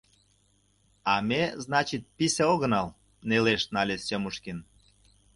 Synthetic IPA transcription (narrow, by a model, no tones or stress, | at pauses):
ɑmʲeznɑt͡ɕit̪̚piseoɣənɑl | neleʃnɑlʲesʲomuʃkin